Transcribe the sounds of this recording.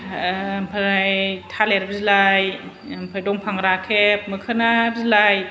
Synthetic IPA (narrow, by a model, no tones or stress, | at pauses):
mpʰaajtʰaleɾbzilaj | mpʰɯjdɔŋpʰaŋɾakʰep̚mɯkʰɯnabzilaj